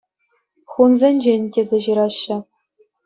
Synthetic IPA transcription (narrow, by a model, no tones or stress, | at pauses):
χunzʲenʲd͡ʑenʲtʲezʲeʑiɾɑɕːɘ̆